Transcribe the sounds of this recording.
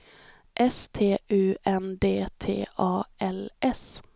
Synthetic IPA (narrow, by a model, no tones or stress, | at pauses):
ʔɛst̪ʰeːʔʉːʔɛnd̪eːt̪ʰḛːʔɑːʔɛlʔɛs